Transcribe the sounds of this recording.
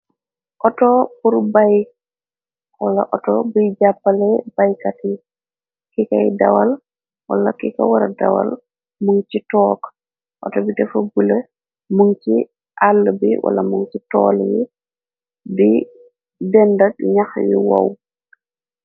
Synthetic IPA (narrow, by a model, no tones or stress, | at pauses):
ʔɔtɔpuɾbaj | wala̰ʔɔtɔbid͡ʒapːalɛbajkati | kikajda̰wal | walakika̰waɾadawa̰l | muŋt͡ʃitɔːk | ʔɔtɔbitɛfɔbulɛ | muŋt͡ʃi | ʔalːbiwa̰lamuŋt͡ʃitɔ̰ːlji | bi | dɛndatɲaxwḭwa̰w